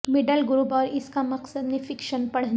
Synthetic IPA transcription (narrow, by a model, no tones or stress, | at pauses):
mɪɖəlɡɾuːpɔːɾɪskamɐqsəd̪mẽfʰɪkʃənpɐɽ̤